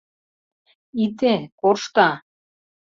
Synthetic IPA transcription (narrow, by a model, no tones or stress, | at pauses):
it̪ekorʃt̪ɑ